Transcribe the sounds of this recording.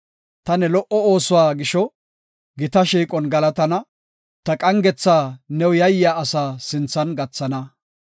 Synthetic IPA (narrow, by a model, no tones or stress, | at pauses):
t̪ɐnɛlɔʔɔoːsʊwaːɡɪʃɔ | ɡɪt̪ɐʃiːkʼɔnɡɐlɐt̪ɐnɐ | t̪ɐkʼɐŋɡɛt͡sːaːnɛwjɐjjaːɐsaːsɪnt͡sːɐnɡɐt͡sːɐnɐ